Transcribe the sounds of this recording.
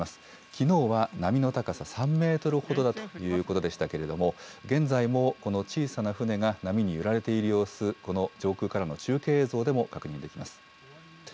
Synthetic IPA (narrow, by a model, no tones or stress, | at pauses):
asɨ̥ | kʲino̞ːβanamʲino̞t̪akasasãmːe̞ːt̪o̞ɾɯ̟ho̞d̪o̞d̪at̪o̞jɯ̟ːko̞t̪o̞d̪e̞ɕi̥t̪ake̞ɾe̞d̪o̞mo̞ɡẽ̞nd͡zaimo̞ko̞no̞t͡ɕiːsanaɸɯ̟ne̞ɡanamʲiɲ̟ijɯɾaɾe̞t̪e̞iɾɯjo̞ːsɨɾɨko̞no̞d͡ʑo̞ːkɯ̟ːkaɾano̞t͡ɕɨːke̞ːzo̞ːd̪e̞mo̞kakɯ̟ɲ̟ĩnd̪e̞kʲimasɨ̥